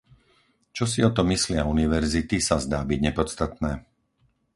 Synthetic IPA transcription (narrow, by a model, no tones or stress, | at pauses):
t͡ʃɔsiɔt̪ɔmislɪauniʋɛɾzit̪isazd̪aːbiɟɲɛpɔt͡st̪at̪nɛː